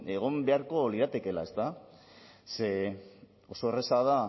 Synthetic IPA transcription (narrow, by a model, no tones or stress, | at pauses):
e̞ɣ̞o̞mbe̞aɾko̞liðat̪e̞ke̞la̰e̞st̪a | se̞ | o̞so̞ere̞sað̞a